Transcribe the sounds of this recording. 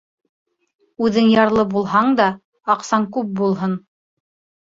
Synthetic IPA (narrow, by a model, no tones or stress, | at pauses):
ʉðɘŋjɑɾlˠɤbulˠɦɑɴd̪ɑ | ɑqsɑŋkʉp̚bulˠɦɤn